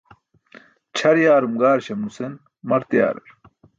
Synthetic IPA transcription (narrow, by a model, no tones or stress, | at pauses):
t͡ɕʰɐɾjaːɾumɡaːɾɕɐmnusen | mɐɾt̪ja̰ːɾɐ̰ɾ